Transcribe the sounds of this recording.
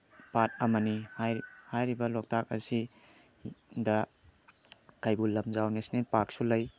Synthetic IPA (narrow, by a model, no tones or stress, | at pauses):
pat̚ɐmɐnihajhajɾibɐlɔk̚tʰak̚ɐ̰si | da | kajbulɐmzawnesnenpak̚sulaj